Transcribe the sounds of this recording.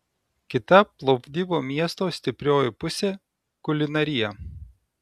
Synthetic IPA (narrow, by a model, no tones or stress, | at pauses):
kʲɪt̪ɐplˠɔpʲd̪ʲiːboːmʲiɛst̪oːsʲt̪ʲɪpʲɾʲoːjɪpʊsʲeː | kʊlʲɪnɐɾʲɪjɛ